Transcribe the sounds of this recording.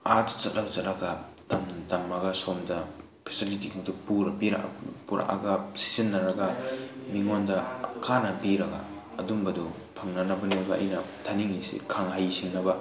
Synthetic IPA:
aɾtt͡ʃɐt̚lʔabɐzɐlaɡɐtamtɐmːaɡɐsomdɐ | pʰe̥silitikidupuɾbiɾa̰ʔpuɾʔa̰ʔa̰ɡɐsi̥sinːɐɾɐɡɐmiŋondɐkʰanɐbiɾɐɡa̰ː | dumbɐdu | pʰɐŋnɐnɐbɐnibɐɐ̰jnɐ | tʰaniŋisḭkʰaŋɦajsiŋnɐbɐ

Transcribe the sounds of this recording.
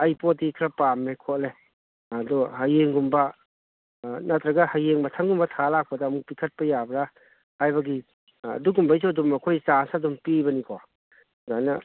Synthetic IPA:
ajpotdikʰɾɐpamekʰotle | duɦajeŋɡumbɐ | nat̪ɾɐɡɐhajeŋbɐtʰaŋɡumbɐtʰalak̚pɐdamuk̚pikʰɐt̚pɐjabɾa | hajbɐɡi | ɐ̰duɡumbajs̬uɐdumɐkʰojsasadumpibɐnikʰo | zajnɐ

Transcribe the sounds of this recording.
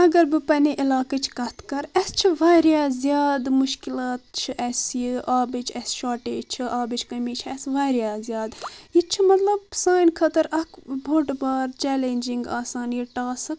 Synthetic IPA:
ɐɡɐɾbɨpɐneʔilaːkɐt͡ʃʰkɐt̪ʰkɐɾɐst͡ʃʰiʋaːɾjaːzijaːd̪muʃkilaːt̪̚t͡ʃʰiʔɐsjiʔaːbɨt͡ʃʰɛsʃaːʈeːt͡ʃʰiʔaːbɨt͡ʃʰkɐmiːt͡ʃʰɛsʋaːɾjaːzjaːd̪jit͡ʃʰimɐt̪lɐbsaːjnkʰɐt̪ɐɾɐkʰbʱoʈbaːɾt͡ʃɛːleːnd͡ʒiŋɡa̰ːsaːnijiʈaːsɨk

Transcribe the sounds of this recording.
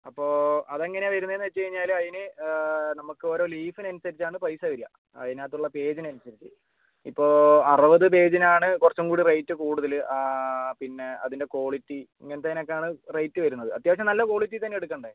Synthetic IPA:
ɐpːo̞ːɐðeŋːɐneʋɐɾunːɐenːʋet͡ɕːɨkɐɻiɲːaːlɐðinɨnɐmukːɨo̞ːɾo̞ːliːfinɐnusɐɾit͡ɕːaːɳɨpɐjsɐʋɐɾiɐ̰ | ɐ̰ðinaːt̪ːuɭːɐpe̞ːd͡ʑinɐnusɐɾit͡ɕːɨ | ipːo̞ːɐrɨʋɐðɨp̬e̞ːd͡ʑinaːɳɨkurɐt͡ɕːumkuːɽirejtːɨkuːɽuðɐl | pinːe̞ɐ̰ðinde̞ko̞ːɭitːiiŋːɐnet̪ɐinok̬ːeaːɳɨrejtːɨʋɐɾunːɐðɨɐ̰t̪jaːmɐɕ̬jɐmnɐlːɐko̞ːɭit̬ːit̪ɐnːeeɽuk̬ːɐɳɖaːji

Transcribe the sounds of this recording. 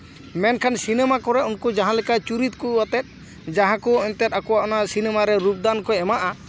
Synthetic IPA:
mɛnkʰansinɛmakɔɾɛunkɔd͡ʒaɦãlɛkat͡ʃuɾit̪̚kuɔt̪ɛt̪̚ | d͡ʒaɦãkɔɔnt̪ɛt̪akɔwaʔɔnasinɛmaɾɛɾup̚d̪ankɔɛmaʔa

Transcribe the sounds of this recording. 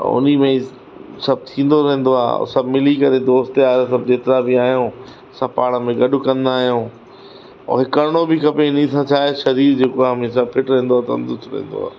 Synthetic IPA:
ʊ̰n̤imẽ | sɐb̚t̪ʰĩːn̆d̪oɾɐ̃ɦẽn̆d̪oa̰ːsɐbmɪlikɐɾed̪oːst̪eaːesɐbd͡ʑeːt̪ɪɾabɪaːɦjõː | sɐpaːɽ̃ə̆mẽɡɐɗʊkɐ̃nd̪aːɦijõː | ɔ̰ːɦɪkɐɾɪɽ̃obɪkʰɐpenĩt̪ʰãt͡ɕʰaːeʃɐɾiːɾd͡ʑeːkoamisabpʰɪʈɾɛ̃ɦːnd̪oaːt̪ɐʊ̰̃nd̪ʊsɾɛ̰̃ɦːnd̪o̰a̰ː

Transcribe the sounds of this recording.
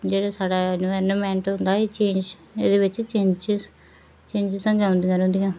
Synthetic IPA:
d͡ʒeːɽaːsaːɽaːnʋɛɾnəmɛ̃ːɳʈɦʊ̃nd̪aːeːt͡ʃẽːnd͡ʒ | eːd̪eːʋɪt͡ʃt͡ʃẽːɲd͡ʒ | t͡ʃẽːɲd͡ʒɪzsə̃ŋɡeõːnd̪ijãːɾõːnd̪ijãː

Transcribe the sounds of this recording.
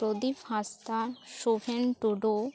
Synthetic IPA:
ɾod̪ifhast̪aʃofenʈuɖo

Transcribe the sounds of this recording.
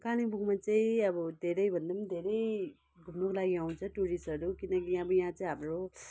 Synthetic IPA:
kalibʱuɡmat͡saĩʌbʌd̪ʱeɾʌjbʱʌnd̪ʌmd̪ʱeɾʌj | ɡʱumnokolaɡiaw̃nt͡sʰʌʈuɽisɦʌɾukinʌkiʌbʌjaɦãt͡sʌĩɦamɾo

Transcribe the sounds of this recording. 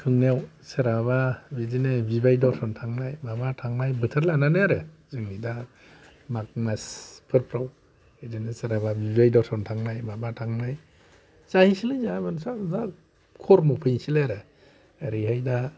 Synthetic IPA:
kʰɯŋnaw | sɯɾaβabidinebibajdɔsɔntʰaŋnajmabatʰaŋnajbɯtʰɯɾlananɯaɾɯ | zɯŋnida | mak̚maspʰɯɾpʰɾaw | edinɯsɯɾaβabibajdɔsɔntʰaŋnajmabatʰaŋnaj | sahisilɯɲabɯnsaza | kʰɔɾmɔpʰɯjnsileaɾɯ | eɾiɦajda

